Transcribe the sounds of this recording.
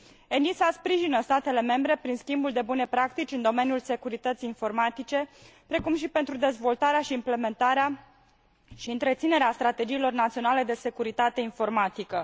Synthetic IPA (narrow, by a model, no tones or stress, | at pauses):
e̞nisaspɾiʒinəst̪at̪e̞le̞me̞mbɾe̞pɾinskʲimbuld̪e̞bune̞pɾakt̪it͡ʃʲɨnd̪o̞me̞njulse̞kuɾit̪ət̪siinfo̞rmat̪it͡ʃe̞pɾe̞kumʃipe̞nt̪ɾud̪e̞zvo̞lt̪aɾeaʃiːmple̞me̞nt̪aɾea | ʃiɨnt̪ɾe̞t̪sine̞ɾeast̪ɾat̪e̞d͡ʒiːlo̞rnat̪sio̞nale̞d̪e̞se̞kuɾit̪at̪e̞info̞rmat̪ikə